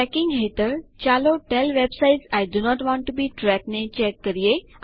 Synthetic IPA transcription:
ɛkĩŋɡɦet̪əɾt͡ɕaloʈɛlʋebsajʈsajɖunɔʈʋɔ̃ɳʈːubiːʈɾɛknet͡ɕɛkːəɾije

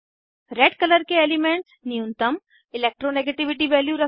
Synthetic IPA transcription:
ɾeːɖkɐləɾkeeːlimẽɳʈsnijũnt̪əm | ɪleːk̚ʈɾoneɡeʈiʋɪʈiʋeːljuɾɐ

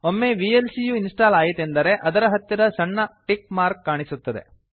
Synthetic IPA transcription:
omːeʋiːelsijuinsʈaːlaːjit̪end̪ɐɾe̞ʔɐd̪ɐɾɐɦɐt̪ːiɾɐsɐɳːɐʈikmaːɾkːaːɳisut̪ːɐd̪e̞̰

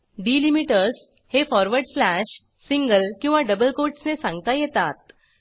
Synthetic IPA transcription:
ɖiːlimiʈəɾs | hefɔɾʋəɾɖslæɕ | siŋɡəlkĩw̃ʋaɖəbəlkoʈsnesãŋɡt̪ajet̪at̪̚

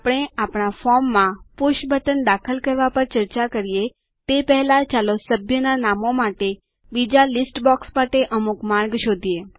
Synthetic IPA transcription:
pɽ̃eapɽ̃afɔɾmːãpʊʃbʱət̪ənd̪akʰəlkəɾʋapəɾt͡ʃəɾt͡ʃakəɾije | t̪epɛɦlat͡ʃalosəbʱjənanamomaʈe | bid͡ʒalɪsʈbɔksmaʈeʔəmukmaɾɡʃod̪ʱije

